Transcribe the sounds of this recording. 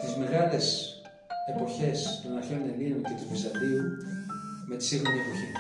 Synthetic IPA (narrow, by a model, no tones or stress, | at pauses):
t̪izme̞ɣɐle̞s | e̞po̞çe̞st̪onnɐçeuneliunk̪et̪ufisɐd̪iu | me̞t̪i̥siɣmenie̞po̞çi